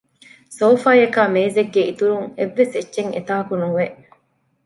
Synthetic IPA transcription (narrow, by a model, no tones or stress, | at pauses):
soːfaːjɐkaːmeːzeɡːeit̪uɾuŋeʋːesetːʃeŋḛt̪aːɐkunuʋeʔ